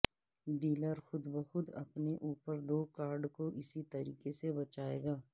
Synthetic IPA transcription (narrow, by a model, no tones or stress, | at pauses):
ɖiːləɾxʊd̪bɐxʊt̪ɐ̰pneʔuːpəɾd̪oːkaːɾɖkoʔɪsit̪ɐɾḭːkesebɐt͡ʃaːḛːɡaː